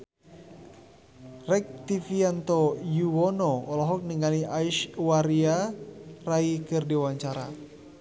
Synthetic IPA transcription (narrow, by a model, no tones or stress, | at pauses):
rɛk̚t̪ifiant̪ɔjuwɔnɔɔlɔɦɔk̚niŋaliaiʃwaɾiaraikɨrdiwaɲt͡ʃaɾa̰